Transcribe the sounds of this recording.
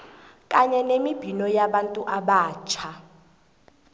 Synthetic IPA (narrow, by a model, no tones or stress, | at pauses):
kʼaɲɛnemib̥ʱinɔjaɓantʼuʔaɓaːt͡ʃʰa